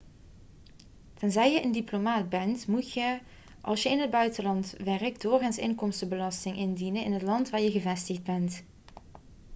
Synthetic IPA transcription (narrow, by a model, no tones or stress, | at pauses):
tɛnzɛjjəʔəndiplomaːd̚bɛntmutjə | ʔɑ̰lˠsjəɪnɦəd̚bœɥtəlɑntʋɛrək̚doːɹɣansɪ̰ŋkɔmstəbəlɑstɪŋʔɪndinənɪnɦətlɑntʋaːɹjəɣəvɛstəɣd̚bɛnt